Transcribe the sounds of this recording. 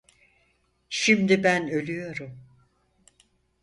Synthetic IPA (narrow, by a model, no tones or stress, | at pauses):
ʃimd̪ibænø̞lʲyjo̞ɾum